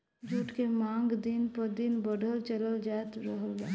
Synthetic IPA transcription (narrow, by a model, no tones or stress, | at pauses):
d͡ʒuːʈkemãŋɡd̪inpəɾd̪inbəɖʱəlt͡ʃələld͡ʒaet̪ɾəɦəla